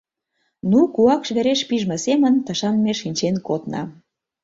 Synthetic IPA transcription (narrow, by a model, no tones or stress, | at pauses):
nukuɑkʃβeɾeʃpiʒmə̆semə̆nt̪ə̆ʃɑnmeʃinʲt͡ɕenkot̪nɑ̰